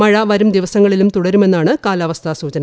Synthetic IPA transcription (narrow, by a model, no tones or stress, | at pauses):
mɐɻɐʋɐɾumd̪iʋɐsɐŋːɐɭilumt̪uɽɐɾume̞nːaːɳɨkaːlɐʋɐst̪ʰɐsuːt͡ɕɐn